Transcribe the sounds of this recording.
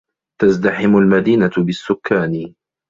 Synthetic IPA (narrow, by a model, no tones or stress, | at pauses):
t̪azd̪aħɪmʊlmad̪iːnabɪsːʊkʰːaːn